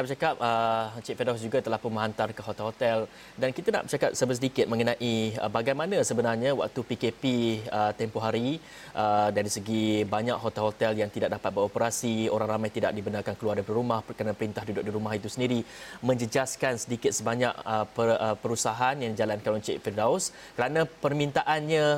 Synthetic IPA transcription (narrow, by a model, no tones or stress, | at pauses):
naʔbət͡ʃakap̚ət͡ʃit̪̚fedɔsd͡ʒuɡat̪əlahpʊnmə̃ɦant̪arkəɦot̪ɛlɦot̪ɛl | dankit̪ana̰ʔbət͡ʃakap̚səbəsədikɪt̪̚mə̃ŋənãʔiəbaɡajmanãsəbənarɲawa̰ʔ̚t̪upikepiət̪ɛmpoɦaɾi | ʔədaɾisəɡibaɲak̚ɦot̪ɛlɦot̪ɛljaŋt̪idaʔ̚dapat̪̚bəɾopəɾasioɾaŋramajt̪idaʔ̚dibənarkankəluardədiɾumahkəɾanapəɾint̪ahdudʊk̚diɾumahit̪usəndiɾimə̃ɲd͡ʒəd͡ʒaskansədikɪt̪̚səbaɲa̰ʔ̚əpəəpəɾusaɦanjaŋdid͡ʒalankanoɲt͡ʃʔfirdaus | kəɾanãpərmint̪aʔanɲã